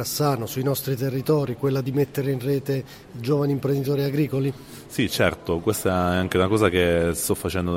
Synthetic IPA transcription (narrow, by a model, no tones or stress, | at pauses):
asːaːnosuinɔst̪ɾit̪erːit̪ɔːɾikwelːad̪imet̪ːeɾeinrɛːt̪e | id͡ʒoːvaniːmpɾend̪it̪ɔːɾiaɡɾiːkoli | sit͡ʃɛ̰rt̪okwest̪aɛaŋkeunakɔːzakest̪ɔfːat͡ʃɛnd̪o